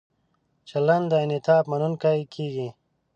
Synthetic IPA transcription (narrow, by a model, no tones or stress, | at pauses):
t͡ɕɐlɐnd̪ainit̪ʰaːpmɐnunkaikʰiːɡi